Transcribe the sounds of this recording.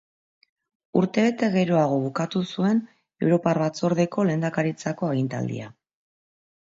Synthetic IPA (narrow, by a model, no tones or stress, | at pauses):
uɾt̪e̞βe̞t̪e̞ɣe̞ɾo̞aɣ̞o̞βukat̪usue̞n | e̞wɾo̞parβat͡so̞ɾðe̞ko̞le̞ːnd̪akaɾit͡sako̞eɣint̪a̰ld̪ḭa